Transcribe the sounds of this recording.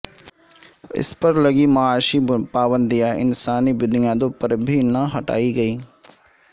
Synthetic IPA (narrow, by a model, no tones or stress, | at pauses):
ɪ̰spəɾləɡiːmaaːʃiːpaːbənd̪ɪjaːɪ̰nsaːniːbɪnɪjãːd̪õpəɾbʱiːnəɦəʈa̰ːiːɡəiː